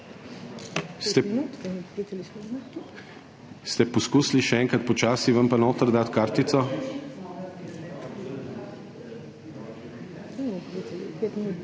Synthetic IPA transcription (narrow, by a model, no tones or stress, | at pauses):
st̪ɛminut̪ɐnippit̪ɐlis | st̪ɛpɔskuːsliʃɛɛŋkɾat̪̚pɔt͡ʃaːsiʋɐmpanoːt̪əɾd̪at̪kaɾt̪it̪sɔ | ɛpitɐlḭpet̪minut̪